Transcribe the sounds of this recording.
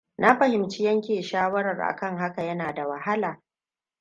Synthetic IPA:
na˦ɸɐ˨hɪ˨mt͡ʃɪ˦jɐ˦ŋkʲeː˨ʃaː˦wɐ˦ɾɐ˨rʔa̰˨kɐ˦ŋɦa˦ka˨jɐ˦naː˨da˨wɐ˨ha˦laː˨

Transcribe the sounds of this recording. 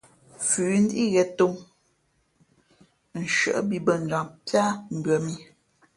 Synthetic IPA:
fʉː˨n̩˦di˦ɣɛ˨to˦m | n̩˨ʃə̰˨ʔbi˨bə˨n̩˨d͡ʒa˨ŋpja˦m̩˨bɥə˨mi˦

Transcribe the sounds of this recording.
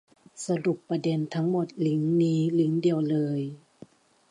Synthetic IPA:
sa˧lu˨˩pːa˧de˧nt̪ʰa˦˥ŋmo˨˩t̪̚li˨˦ŋniː˦˥li˨˦ŋdi˧əwlɤː˧j

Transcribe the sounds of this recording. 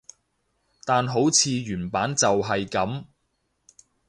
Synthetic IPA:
t̪aː˨nɦo˨˥wt͡sʰiː˨˧ɥyː˨˩npaː˨˥nt͡sɐ˨wɦɐ˨jkɐ˨˥m

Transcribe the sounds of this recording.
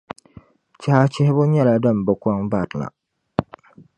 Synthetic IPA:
t͡ʃɛ˦ha˦t͡ʃɪ˦hɪ˦bʊ˦ɲɛ˦la˨dɨ˦˨m˨bɨ˨˦kʷa˦ŋba˦˨tla̰˨

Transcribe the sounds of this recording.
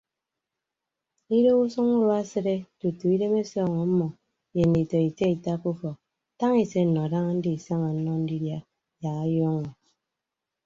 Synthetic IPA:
i˦ɾo˦u˦su˦ŋu˦ɾo˦a˦se˦ɾe˦tu˨tu˨i˦de˦me˦sɔː˦˨ŋɔ˨˦mɔ˨ | je˨n̩˨di˨tɔ˨i˨te˦i˨ta˦ku˦fɔ˨k̚ | ta˦ŋi˨se˦n̩˨nɔ˨da˦ŋa˦n̩˦di˦i˨sa˦ŋa˨n̩˦nɔ˦n̩˦di˦dja˦ | ja˨ɣa˦jɔ˦ŋɔ˨

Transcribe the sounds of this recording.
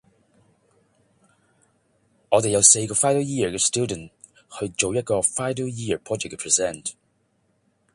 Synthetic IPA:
ɔː˨˧de˨jɐ˧wse˧jkɔː˧faː˥jdə˥jiː˥ə˨kɛ˧stu˥də˨n̩t̚ | hɵ˧ɥt͡ʃo˨wjɐt̚kɔː˧faː˥jdə˥wjiː˥ə˨˩pʰɔː˥d͡ʒɛ˨kːɛ˧pʰɹ̥i˨sɛ˥˩nt

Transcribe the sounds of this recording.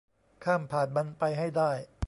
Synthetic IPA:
kʰaː˥˩mpʰaː˨˩t̪̚ba˧npa˧jɦa˥˩jdaː˥˩j

